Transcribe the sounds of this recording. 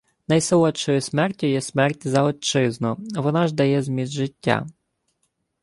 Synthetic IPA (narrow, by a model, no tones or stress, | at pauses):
nɐjselˠɔt͡ʃɔjʊsmɛrtʲʊjɛsmɛrtʲzɐɔt͡ʃɪznɔʋɔnɑʒd̪ɐjɛzmʲizʒɪtʲːa̰